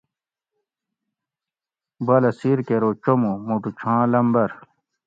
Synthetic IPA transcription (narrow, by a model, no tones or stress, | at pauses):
bɐlɐsiɾkeɾot͡ɕomumuʈut͡ɕʰãːlɐmbɐɾ